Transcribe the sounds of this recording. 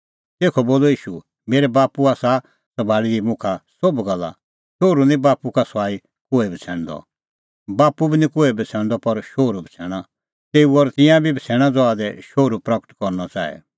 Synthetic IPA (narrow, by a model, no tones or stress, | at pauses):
t̪eːkʰɔboːlɔiːʃu | meːɾɛbaːpuaːsa | sɐbʱaːɽidimʊ̃kʰasobɡɐlːa̰ | ʃoːɾunĩbaːpukasaːi | koːɛbʱit͡sʰɛ̃ːɽ̃d̪ɔ̰ | baːpubʱinĩkoːɛbʱit͡sʰɛ̃ːɽ̃d̪ɔpɐɾʃoːɾubʱit͡sʰɛːɽ̃a | t̪eːuɔɾt̪ɪ̃jãbʱibʱit͡sʰɛːɽ̃ãd͡zɔaːd̪ɛʃoːɾupɾɐkə̥ʈkɔɾnɔt͡ʃa̰ːɛ̰